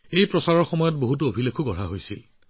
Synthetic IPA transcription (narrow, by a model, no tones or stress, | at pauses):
ejpɹɔsaɹɔɹxɔmɔjɔt̚boɦut̬uobʱilekʰuɡɔɹaɦojsil